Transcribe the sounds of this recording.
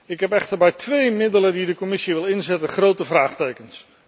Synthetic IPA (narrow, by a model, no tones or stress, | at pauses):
ɪkɦɛpɛχtəɹbɛjtʋejmɪdələndidəkɔmɪsiʋɪlˠɪnzɛtəχrowtəvraːχtejkəns